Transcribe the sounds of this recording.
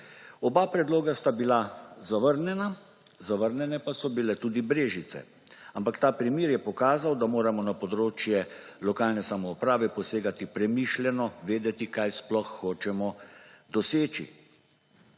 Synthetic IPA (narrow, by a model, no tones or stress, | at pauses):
ɔbaːpɾɛd̪loːɡast̪abilazaʋəɾnjɛna | zaʋəɾnjɛnɛpasɔbilɛt̪uːd̪ibɾeːʒisɛ̰ | ampakt̪aːpɾimiːɾjɛpɔkaːzawd̪amoːɾamɔnapɔd̪ɾoːt͡ʃjɛ | lɔkaːlnɛsamɔupɾaːʋɛpɔseːɡat̪ipɾɛmiːʃljɛnɔʋeːd̪ɛt̪ikajsplɔxːoːt͡ʃɛmɔd̪ɔseːt͡ʃḭ